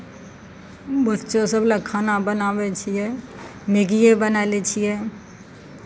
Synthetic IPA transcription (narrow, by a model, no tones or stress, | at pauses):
bətːʃõsəblakʰːaːnabənaːwet͡ʃʰiɦɛneɡijebənaːlet͡ʃʰiɦɛː